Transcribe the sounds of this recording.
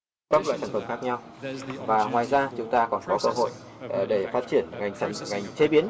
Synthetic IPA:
kaː˦˥k̚lwa̰˧˨saː˧˩n̟fə˨˧˩mŋ͡mxa˦˥k̚ɲa˧wvaː˨˩ŋwaː˨˩jzaː˧t͡ɕʊ˨˦ŋ͡mt̪aː˧kɔ˨˩nkɔ˨˦kəː˧ɦo̰˧˨jɗe˧˩faː˦˥t̚t͡ɕi˧˩ənŋa˨˩jŋ̟sa˧˩ŋa˨˩jŋ̟t͡ɕe˨˦ɓi˨˦ən

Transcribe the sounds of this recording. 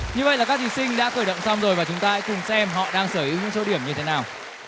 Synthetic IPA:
ɲɨ˧və̰˧˨jlaː˨˩kaː˦˥k̚t̪i˧˨˩sï˧ŋɗa̰ː˧˥xəː˧˩jɗə̰˧˨wŋ͡msa˧wŋ͡mzo˨˩jvaː˨˩t͡ɕʊ˨˦ŋ͡mt̪aː˧a˧˥jkʊ˨˩ŋ͡msɛ˧mɦɔ̰˧˨ɗaː˧ŋsəː˧˩ʔi˨˦ɲʊ̰˧˥ŋso˨˦ɗi˧˩əmɲɨ˧t̪ʰe˨˦naː˨˩w

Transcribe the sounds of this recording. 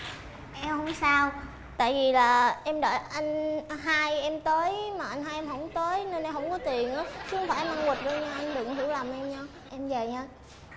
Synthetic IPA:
ʔɛ˧mɦə˧˦wŋ͡msaː˧w | t̪a̰ː˧˨jvi˨˩laː˨˩ʔɛ˧mɗɔ̰˧˩˨jʔa˧jŋ̟ɦaː˧jʔɛ˧mt̪əː˨˦jmaː˨˩ʔa˧jŋ̟ɦaː˧jʔɛ˧mɦə̰˧˥wŋ͡mt̪əː˨˦jne˧nʔɛ˧mɦə̰˧˥wŋ͡mkɔ˨˦t̪i˨˩ənʔaː˨˦t͡ɕŋ͡mfaː˧˩jʔɛ˧mʔa˧nwi˨˩t̚ɗɔ˧ɲaː˧ʔa˧jŋ̟ɗɨ˨˩əkɦi˧˩əwlaː˨˩mʔɛ˧mɲaː˧ | ʔɛ˧mvə˨˩ɲaː˧

